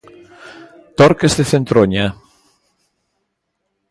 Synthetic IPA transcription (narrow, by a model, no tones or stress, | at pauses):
t̪oɾkezðeθent̪ɾoɲa